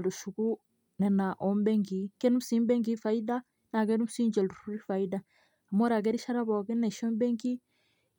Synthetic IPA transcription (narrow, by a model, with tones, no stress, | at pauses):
lu˨ʃu˨ku˦ | nɛ˨na˨ʔɔ˦mbɛ˦ŋɡi˨˦kɛ˦nu˦m̩u˨˦si˦mbɛ˦ŋɡi˦fa˨ida˦ | na˨k̬ɛ˦ɾu˦m̩u˦si˦ɲd͡ʒɛ˨lu˨ɾu˦ɾi˦fa˨ida | a˨mo˦ɾa˨ɡ̬ɛ˦ɾi˦ʃa˦ɾa˦βɔ˨kɛ˦ne˨ʃɔ˦mbɛ˦ŋɡi˦